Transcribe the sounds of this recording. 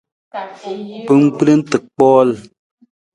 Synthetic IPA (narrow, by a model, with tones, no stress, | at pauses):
pɨ˦ŋ˦k͡ple˦n̩˦tɨ˨k̚k͡pɔː˦l